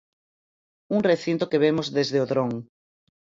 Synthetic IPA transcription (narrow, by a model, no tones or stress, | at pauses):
uŋreθint̪okeβemozðezðeoðɾõŋ